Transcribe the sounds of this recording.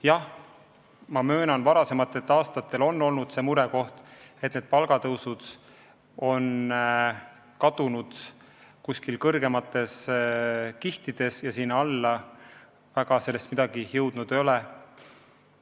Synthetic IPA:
jɑh | mɑmø̞ːnɑnvɑɾɑse̞mɑt̪ːˑe̞t̪ːɑːst̪ɑt̪ːˑe̞lo̞nːo̞lnud̪̥se̞ːmuɾe̞ko̞ht̪et̪ːned̪̥̚pɑlɡ̥ɑt̪ɤwsud̪ | o̞n | kɑt̪unud̪̥ | kusʲkilkɤrɡe̞mɑt̪ːˑe̞s | kiht̪id̪̥e̞sjɑsiːnːɑlːɑ | væɡɑse̞lːe̞st̪mid̪̥ɑɡ̥ihjɤwd̪̥nud̪̥e̞jo̞le

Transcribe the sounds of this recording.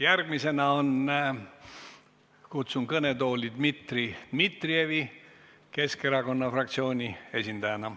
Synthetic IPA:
jærɡ̥mise̞nɑo̞n | kut̪sunkɤne̞t̪o̞ːlʲid̪̥mit̪rid̪̥mit̪ˑrie̞vi | ke̞ske̞ɾɑko̞nːɑfrɑk̚t̪sio̞ːnʲie̞sʲind̪ɑjɑnɑ

